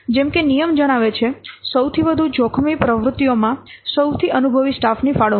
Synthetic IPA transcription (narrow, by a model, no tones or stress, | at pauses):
d͡ʒɛmkenijəmd͡ʒəɽ̃aʋet͡ʃʰesəwt̪ʰiʋəd̪ʱud͡ʒokʰmipɾəʋɾʊt̪ːijomãsəwt̪ʰiʔənubʱəʋisʈafnifaɭo